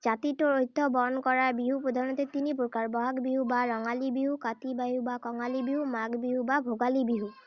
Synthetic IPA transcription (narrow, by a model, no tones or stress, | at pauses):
zat̪itɔɹojt̪ːɔbɔnkɔɹabiɦupɔd̪ʱaɹnɔt̪et̪inipuɹkaɹbɔɦakbiɦubaɹɔŋalibiɦukat̪ibajubakɔŋalibiɦumaɡbiɦubabʱoɡalibiɦu